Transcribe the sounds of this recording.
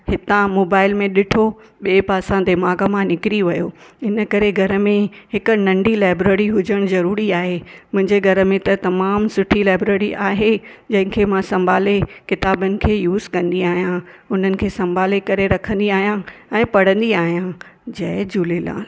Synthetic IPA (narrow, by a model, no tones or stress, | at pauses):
hɪt̪ãmoːbaːɪlmẽɗɪʈʰo | ɓeːpaːsãd̪ɪmaːɡəmãnɪkɾiʋɐjoː | ɪnə̆kɐɾeɡʱɐɾə̆mẽhɪk̆nɐ̃ɳɖilaːɪbɾeːɾiɦʊd͡ʑəɽ̃zɐɾuːɾiaːɦemʊ̃ɦɪ̃ɲd͡ʑeɡʱɐɾə̆mẽt̪ɐt̪ɐmaːmsʊʈʰilaːɪbɾeːɾiʔaːɦed͡ʑɐ̃ɦɪ̃kʰeːmãsɐ̃mbʱaːlekɪt̪aːbənɪ̆kʰeːjuːzkɐ̃nd̪iaːɦijãʊn̤ənɪ̆kʰeːsɐ̃mbʱaːlekɐɾeɾɐkʰə̃nd̪iaːɦijãɛ̃ːpɐɽ̤ə̃nd̪iaːɦijãd͡ʑɐd͡ʑuːlela̰ːl